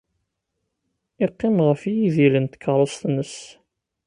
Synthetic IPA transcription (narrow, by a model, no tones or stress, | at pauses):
ɪqːɪmʁəfijiðilənt̪ə̥kʰːəɾˤost̪nəs